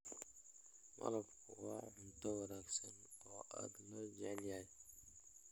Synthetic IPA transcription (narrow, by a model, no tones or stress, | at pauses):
mɐ̰lɐbkʰʊwɑʕʊnt̪ʰɐwɑnaːɡsɐnɔːʔa̰ːd̪lɐd͡ʒɛʕljaːj